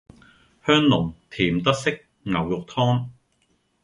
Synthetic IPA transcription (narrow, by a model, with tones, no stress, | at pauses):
hœː˥ŋlʊ˨˩ŋt̪ʰiː˨˩mt̪ɐ˥k̚sɪ˥k̚ | ŋɐ˨˩wjʊ˨k̚t̪ʰɔː˥ŋ